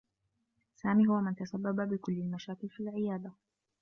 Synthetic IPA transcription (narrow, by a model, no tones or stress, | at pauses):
saːmiːhʊwamɪnt̪asabːababɪkʊlːɪlmaʃaːkɪlfilʕɪjaːd̪ˤa